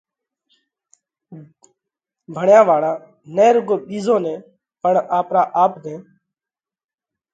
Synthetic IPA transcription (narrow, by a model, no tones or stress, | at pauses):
bʱəɳjãːʋaːɽãː | neːɾʊɡoːɓiːzõːnẽː | pəɳaːpɾaːʔaːpd̪ẽː